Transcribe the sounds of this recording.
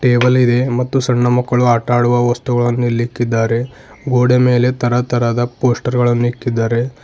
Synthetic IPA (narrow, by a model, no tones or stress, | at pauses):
ʈeːbɐlid̪e̞mɐt̪ːusɐɳːɐmɐkːɐɭuaːʈaːɽuʋɐʋɐst̪uɡɐɭɐnːuilːikːid̪ːaːɾe̞ | ɡoːɽeme̞ːle̞t̪ɐɾɐt̪ɐɾad̪ɐpo̞ːsʈɐɾɡɐɭɐnːuikːid̪ːaːɾe̞